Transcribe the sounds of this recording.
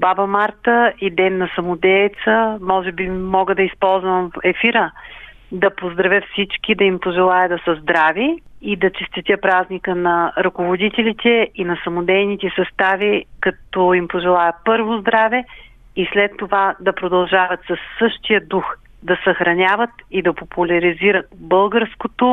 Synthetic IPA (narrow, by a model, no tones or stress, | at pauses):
babɐmaɾt̪əid̪ɛnːɐsɐmʊd̪ɛjt̪səmɔʒɛbimːɔɡəd̪ɐispɔlˠzvəmɛfiɾə | d̪ɐpozd̪ɾɐvʲəfsit͡ʃkid̪ɐimpoʒɛlˠajəd̪ɐsəzd̪ɾaviid̪ɐt͡ʃɛst̪it̪ʲəpɾaznikənɐɾʊkovod̪it̪ɛlit̪ɛinɐsɐmod̪ɛjnit̪ɛsɐst̪avikɐt̪ɔimpoʒɛlˠajɛpɤɾvozd̪ɾavɛ | islɛt̪ːovad̪ɐpɾod̪ɐlˠʒavɐt̪sɐsːɤʃt̪ijəd̪ux | d̪ɐsɐxɾɐnʲavət̪id̪ɐpopulʲɐɾiziɾət̪̚bɤlˠɡəɾskot̪o